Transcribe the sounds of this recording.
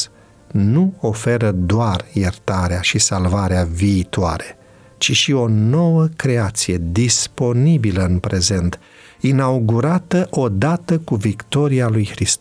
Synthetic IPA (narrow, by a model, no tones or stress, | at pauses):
nuo̞fe̞ɾəd̪oarjert̪aɾeaʃisalvaɾeaviːt̪oa̰ɾe̞ | t͡ʃiʃio̞no̞wəkɾe̞at̪sije̞d̪ispo̞nibiləɨnpɾe̞ze̞nt̪ | inauɡuɾat̪əʔo̞d̪at̪əkuvikt̪o̞ɾialujxɾist̪